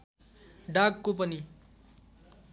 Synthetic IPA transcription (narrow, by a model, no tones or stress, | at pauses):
ɖaɡkopʌni